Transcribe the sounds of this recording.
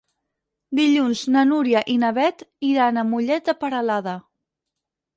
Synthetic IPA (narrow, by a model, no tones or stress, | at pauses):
d̪iʎunznənuɾjəʔinəβɛt̪iɾanəmuʎɛt̪̚d̪əpəɾəlaðə